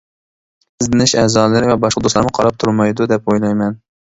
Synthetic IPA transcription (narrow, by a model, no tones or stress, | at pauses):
ɪzd̪ɪnɪʃɛːzɑːlˠɨɾɪvɛbɑʃqɑd̪oslˠɑɾnɨqʰɑɾɑp̚t̪ʰuɾmɑjd̪ud̪ɛpojlˠɑjmɛn